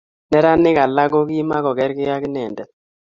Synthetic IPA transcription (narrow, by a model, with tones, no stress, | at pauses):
nɛ˦ɾa˦nɪ˦ka˨la˦ɡo˦ki˦ma˦kɔ˨kɛ˦ɾkɪ˦ja˦kɪ˦nɛ˨ndɛ˨t